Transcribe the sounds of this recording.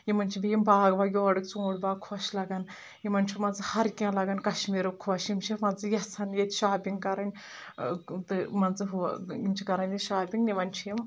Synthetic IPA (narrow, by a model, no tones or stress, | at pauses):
jimɐnʲt͡ʃʰibʲijimbaːɡbaːjʲɔːɽɨkt͡sũːɽbaːkʰoːʃlɐɡɐn | jimɐnʲt͡ʃʰimɐnzɨhɐɾkʲãːlɐɡɐnkɐʃmiːɾɐkʰoːʃimt͡ʃʰimɐnzɨjɐsɐnjet̪ʲʃaːbʲiŋɡkɐɾɐnʲ | t̪ɨmɐnzɨɦjimt͡ʃʰikɐɾɐnʲjeʃaːbʲiŋɡniʋɐnʲt͡ʃʰijim